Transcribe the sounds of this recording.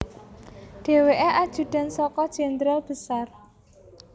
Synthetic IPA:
ɖ̥e̤weʔeʔad̥ʒ̥ṳd̪̥a̤nsɔkɔd̥ʒ̥ɛnd̪ɾalb̥əsar

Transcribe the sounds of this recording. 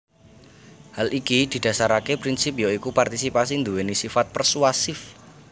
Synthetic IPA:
halʔikid̪̥i̤d̪̥ä̤saɾakepɾinsip̚joikupart̪isipasind̪uwenisifat̪̚pərsuasɪf

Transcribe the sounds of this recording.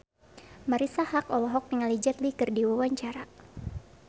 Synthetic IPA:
maɾisahakɔlɔɦɔk̚niŋalid͡ʒat̪likɨrdiwawaɲt͡ʃaɾa

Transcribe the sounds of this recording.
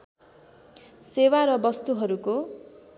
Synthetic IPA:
sewaɾʌbʌst̪uɦʌɾuko

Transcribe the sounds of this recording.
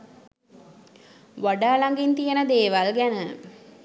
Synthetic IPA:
ʋaɖaːlaŋɡint̪ijənəd̪eːʋalɡænə

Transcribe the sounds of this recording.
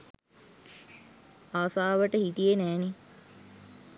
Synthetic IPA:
aːsaːʋəʈəhit̪ijenɛːne

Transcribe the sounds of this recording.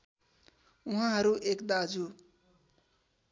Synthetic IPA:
uɦãɦʌɾuʔekd̪ad͡zu

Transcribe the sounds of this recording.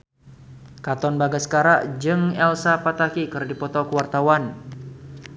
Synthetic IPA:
kat̪ɔnbaɡasə̥kaɾaʔd͡ʒɨŋɛlsapat̪akikɨrdipɔt̪ɔkəwart̪awan

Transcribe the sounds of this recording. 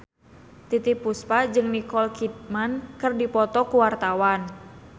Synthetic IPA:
t̪it̪ipuspad͡ʒɨŋnikɔlkit̪̚mankɨrdipɔt̪ɔkuwart̪awan

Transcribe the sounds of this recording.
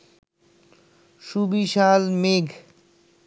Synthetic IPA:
ʃubiʃalmeɡʱ

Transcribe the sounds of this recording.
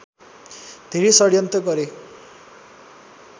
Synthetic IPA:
d̪ʱeɾesʌɽjʌnt̪ʌɡʌɾe

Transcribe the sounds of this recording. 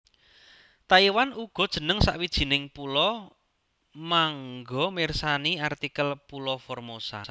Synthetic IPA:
t̪aiwanuɡ̥ɔ̤d̥ʒ̥ə̤nəŋsa̰ʔwid̥ʒ̥i̤nɪŋpulɔ | maŋɡɔmɪrsaniart̪ikəlpulɔfɔrmosa̰

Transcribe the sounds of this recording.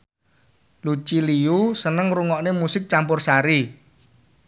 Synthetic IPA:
lut͡ʃiliusənəŋɾuŋɔʔnemusɪk̚t͡ʃampʊrsaɾi

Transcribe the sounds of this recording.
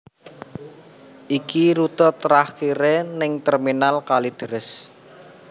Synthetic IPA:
ʔikiɾut̪ɔt̪ɾahkiɾenɪŋt̪ɛrminalkalid̪̥əɾɪs

